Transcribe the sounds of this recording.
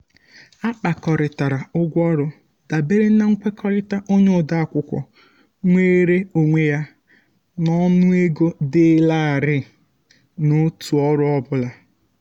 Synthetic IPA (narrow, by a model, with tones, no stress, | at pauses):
a˦k͡pa˨kɔ˨ɾɪ˨ta˨ɾa˨ʊ˦ɡʷɔ˦ɾʊ˦ | da˨be˦ɾe˦na˦ŋ̩˦kʷe˦kɔ˦ɾɪ˦ta˦ʔo˦ɲe˦ʊ˨da˦a˨kʷʊ˦kʷɔ̰˨ | ŋʷeː˦ɾe˦o˨ŋʷe˦ja˦ | nɔ˦nʊ˦e˦ɡo˦dɪ˦la˦a˨ɾɪ˦ | no˦tu˨ɔ˦ɾʊ˦ɔ˦bʊ˦la˨